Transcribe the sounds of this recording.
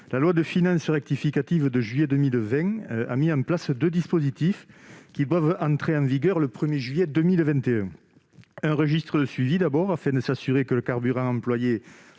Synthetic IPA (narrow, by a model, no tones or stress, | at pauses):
lalwad̪əfinɑ̃səʁɛk̚t̪ifikat̪ivəd̪əʒɥijɛd̪əmilvɛ̃a̰miɑ̃mplasd̪ød̪ispozit̪ifkʲid̪wavɑ̃nt̪χeɑ̃viɡœʁləpχəmjeʒɥijɛd̪əmilvɛ̃nt̪eɛ̃ | ɛ̃ʁəʒist̪χəd̪əsɥivid̪abɔʁafɛ̃d̪əsasyʁekələkaʁbyʁɑ̃ɑ̃mplwaje